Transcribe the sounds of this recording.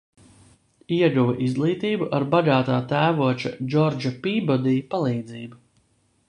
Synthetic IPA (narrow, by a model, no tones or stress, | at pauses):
iɛɡuvɛʔizɡlˠiːt̪iːbuʔaɾbaɡaːt̪aːt̪æːvuɔt͡ʃa̰d͡ʒɔɾd͡ʒapiːbɔd̪ijpalˠiːd̪ziːbu